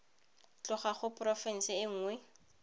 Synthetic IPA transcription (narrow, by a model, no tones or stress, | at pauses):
t͡ɬʊχaχʊprɔfɛn̩sɪɪŋ̩ːŋwɛ